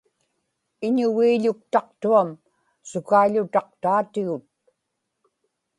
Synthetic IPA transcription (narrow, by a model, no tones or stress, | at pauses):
ɪɲʊɣiːʎʊk̚t̪ɑq̚t̪uam | sʊkaiʎʊt̪ɑq̚t̪aːt̪ɪɣʊt̪̚